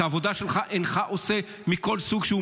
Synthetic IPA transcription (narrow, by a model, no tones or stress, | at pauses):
aavod̪aʃelχaʔenχaʔose | miko̞lsuɡʃeu